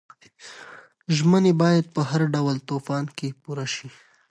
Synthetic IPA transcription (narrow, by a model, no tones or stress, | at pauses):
ʒmənebɑjad̪̚pəɦaɾɖawlt̪ofɑnkepuɾaʃi